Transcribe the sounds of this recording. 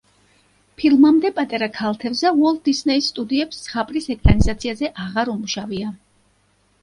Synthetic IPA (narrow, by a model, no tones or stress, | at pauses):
pʰilˠmamd̪ɛpʼat̪ʼaɾakʰalˠt̪ʰɛvzavɔlˠd̪̚d̪isnɛisːt̪ʼud̪iɛpssχapʼɾisɛkʼɾanizat̪sʰiazɛʔaʁaɾumuʃavia